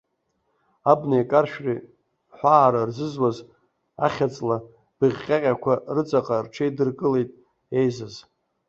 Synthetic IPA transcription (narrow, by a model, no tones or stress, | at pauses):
abnejkʼarʃᶣri | ħʷaːɾarzɨzwaz | a̰χʲat͡sʼla | b̥ɨʁʲqʲʼaqʲʼakʷʰarɨt͡sʼaqʼarʈ͡ʂʰejdɨrkʼɨle̞jtʼ | ejzaz